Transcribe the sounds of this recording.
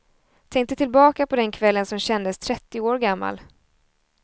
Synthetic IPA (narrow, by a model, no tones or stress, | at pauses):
t̪ʰɛŋk̚t̪ət̪ʰɪlbɑːkapʰɔd̪ɛnkʰvɛlːənsɔmɕɛnd̪əst̪ʰɾɛt̪ːɪoːɾɡamːa̰l